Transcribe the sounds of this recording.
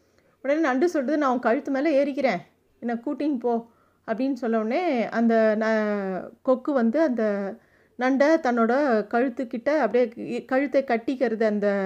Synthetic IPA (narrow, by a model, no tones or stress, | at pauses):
ɔɽɐneːnɐɳɖɯsɔlrɐðɯnãːʊ̃ŋkɐɻɯt̪ːɯmeːlɐeːɾɪkːɪɾẽː | ɛnːɐkuːʈːɪŋɡpoː | ɐpːɐɽɪnːɯsɔlːɐʋnːeːɐnd̪ɐnɐ | kɔkːɯʋɐnd̪ɯɐnd̪ɐ | nɐɳɖɐt̪ɐnːoːɽɐkɐɻɯt̪ːɯkːɪʈːɐɐpːɐɽɪjekɐɻɯt̪ːɐkɐʈːɪkːɐɾɐðɯɐnd̪ɐ